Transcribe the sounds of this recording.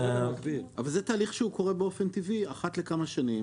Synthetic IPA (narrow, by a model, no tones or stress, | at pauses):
maɡbilavalzet̪aːliχʃeuko̞ʁe̞beo̞fent̪iviaχat̪le̞kamaʃanim